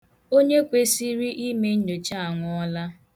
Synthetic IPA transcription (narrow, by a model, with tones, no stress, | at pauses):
o˦ɲe˦kʷe˨˦si˦ɾi˦ʔi˦me˦n̩˦do˨t͡ʃa˦a˨ŋʷʊ˨˦ɔ˦la˦